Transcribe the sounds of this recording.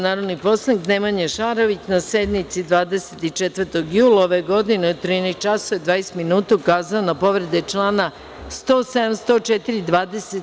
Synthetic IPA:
naːɾo̞d̪nipo̞sanik̪nemaɲeʃaːɾoʋit͡ɕnase̞d̪mit̪sid̪ʋaːd̪e̞set̪it͡ʃet̪ʋəɾt̪o̞ɡjuːlˠaoʋeɡo̞d̪inet̪ɾinajs̚t͡ʃasoed̪ʋaːese̥t̪minuːt̪ukaːzaonapo̞ʋɾe̞d̪et͡ʃlˠaːna | st̪o̞ːsed̪amst̪o̞t͡ʃet̪iɾid̪ʋaːd̪ese

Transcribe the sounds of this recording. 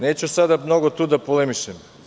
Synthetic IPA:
neːt͡ɕusad̪amno̞ɡot̪uːd̪apolemiʃem

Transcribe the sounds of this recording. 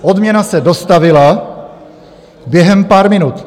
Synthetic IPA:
ʔo̞d̪mɲɛnasɛdo̞st̪avɪla | bjɛɦɛmpaːɾmɪnut̪

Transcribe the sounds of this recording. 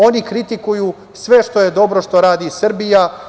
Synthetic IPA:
o̞nikɾit̪ikuju | sʋe̞ʃt̪o̞je̞d̪o̞bɾo̞ʃt̪o̞ɾaːd̪isr̩bija

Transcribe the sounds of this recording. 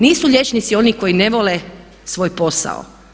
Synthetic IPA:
niːsuʎʲe̞t͡ʃnit̪sio̞niko̞jineʋo̞le | sʋo̞ːjpo̞sa̰o̰

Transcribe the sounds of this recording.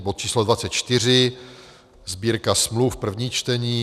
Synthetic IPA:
bot̪̚t͡ʃiːslodvat͡sɛt̪̚t͡ʃt̪ɪr̝ɪ | zbiːɾkasmlufpr̩vɲiːt͡ʃt̪ɛɲiː

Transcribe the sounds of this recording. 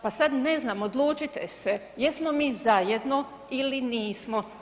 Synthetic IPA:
pasad̪ne̞znaːmod̪lˠuːt͡ʃit̪ese | jesmomiːzajed̪no̞ | iliniːsmo

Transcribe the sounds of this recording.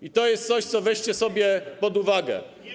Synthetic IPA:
it̪ɔjɛst̪t̪sɔɕt̪sɔvɛɕt͡ɕɛsɔbʲjɛpɔd̪uvaɡɛ̰

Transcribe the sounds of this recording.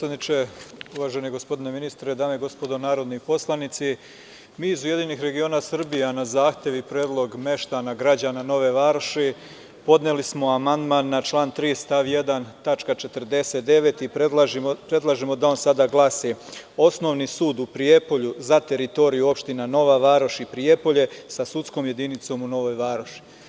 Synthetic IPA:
sad̪nit͡ʃe̞uʋaːʒeneɡo̞spo̞d̪ine̞minist̪ɾed̪aːmeiɡo̞spod̪onaːɾo̞d̪nipo̞slˠanit̪si | miːizuje̞d̪inixɾe̞ɡio̞nasr̩bijanazaːxt̪ʲje̞ʋipɾjeːd̪lˠo̞ɡme̞ʃt̪anaɡɾad͡ʑaːnano̞ʋe̞ʋaɾʃi | po̞d̪nelismo̞amand̪manːat͡ʃlˠaːnt̪ɾiːst̪aʋje̞d̪ant̪at͡ʃkat͡ʃe̞t̪ərd̪e̞se̞t̪̚d̪e̞ʋe̞t̪ipelˠaʒiopɾe̞d̪lˠaʒemo̞d̪ao̞nsad̪aːɡlˠasio̞sno̞ʋnisuːd̪upɾie̞po̞ʎuzat̪e̞ɾit̪o̞ɾijuo̞pʃt̪inano̞ʋaʋaːɾoʃipɾije̞po̞ʎe̞sasut̪sko̞mje̞d̪init̪so̞ːmuno̞ʋoːjʋaːɾoʃi̥

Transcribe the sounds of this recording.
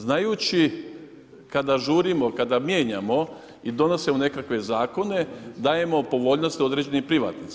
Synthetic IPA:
znajuːt͡ɕi | kad̪aʒuːɾimokad̪amjeːɲamo̞ | id̪o̞no̞semone̞kakʋe̞zaːko̞ne̞d̪aːje̞mo̞po̞ʋo̞ʎnost̪io̞d̪ɾe̞d͡ʑe̞nipɾiʋa̰ːt̪nit̪s

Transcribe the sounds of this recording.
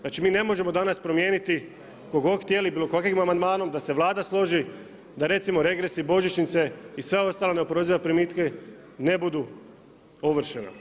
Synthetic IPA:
naːt͡ʃimiːne̞mo̞ʒe̞mo̞d̪anaspɾo̞mjeːnit̪i | koɡo̞xt̪je̞libiːlˠokoakoimamand̪maːno̞md̪ase̞ʋlˠaːd̪aslˠo̞ʒi | d̪aɾe̞t̪simo̞ɾe̞ɡɾesibo̞ʒit͡ʃnit̪se̞isʋeo̞st̪aːleneopɾozijapɾimiːt̪ke | ne̞bud̪u | oʋr̩ʃena̰

